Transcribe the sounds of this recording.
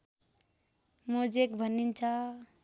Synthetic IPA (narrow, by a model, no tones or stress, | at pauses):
mod͡zekbʱʌnint͡sʰʌ